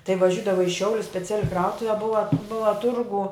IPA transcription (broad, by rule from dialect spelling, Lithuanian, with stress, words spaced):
tɐɪ ʋɐˈʒʲʊdɐʋɐ ɪ ˈʃʲɛʊlʲʊs sʲpʲɛˈt͡sʲæːlʲɪ ˈkrɐʊtʊʋʲɛ ˈbʊʋɐ ˈbʊʋɐ ˈtʊrɡʊ